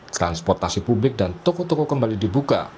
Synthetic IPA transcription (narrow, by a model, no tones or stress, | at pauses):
t̪ɾanspɔrt̪asipublɪk̚dant̪ɔkɔt̪ɔkɔkəmbalidibuka̰